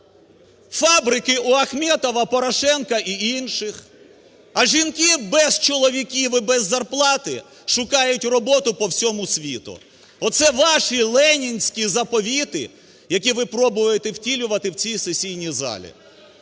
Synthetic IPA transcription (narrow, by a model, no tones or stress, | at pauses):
fɑbɾɪkɪʔuɐxmʲɛt̪ɔʋɐpɔɾɐʃɛnkɐʔiinʃɪx | ɐʒʲinkʲɪbɛz̥t͡ʃɔlˠɔʋʲikʲiʋɪbɛzːɐrplˠɑt̪ɪ | ʃʊkɑjʊtʲrɔbɔt̪ʊpɔwsʲɔmʊsʲʋʲḭt̪ʊ̰ | ɔt̪sɛʋɑʃilˠɛnʲinʲsʲkʲizɐpɔʋʲit̪ɪ̰ | jɐkʲiʋɪpɾɔbʊʋɐjet̪ɛwtʲilʲʊʋɐt̪ɪwt͡sʲisesʲijnʲizɑ̰lʲḭ